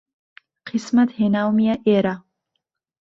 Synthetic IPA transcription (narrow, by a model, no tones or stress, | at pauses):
qʰismat̪henawmijaʔeɾa